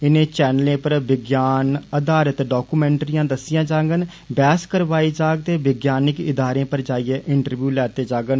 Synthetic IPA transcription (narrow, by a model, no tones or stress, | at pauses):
ɪnẽːt͡ʃɛːnlẽːpəɾʋɪɡjaːnəd̪aːɾət̪ɖaːkuːmɛ̃ːɳʈɾɪjãːd̪əsɪjãːd͡ʒãːɡən | bɛːskəɾʋaːiːd͡ʒaːɡ̚t̪eːʋɪɡjaːnɪkɪd̪ʱaːɾẽːpəɾd͡ʒaːijeːʔɪɳʈəɾʋjuːlɛːt̪eːd͡ʒãːɡən